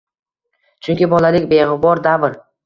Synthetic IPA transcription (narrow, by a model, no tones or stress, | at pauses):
t͡ʃʰʊŋkʲɪbɒlalɪkʲbeʁɪbɒɾd̪abɪɾ